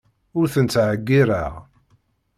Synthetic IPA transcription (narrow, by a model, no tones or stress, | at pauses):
ʊɾθənt͡s̪ːʕəɡːiɾa̰ʁ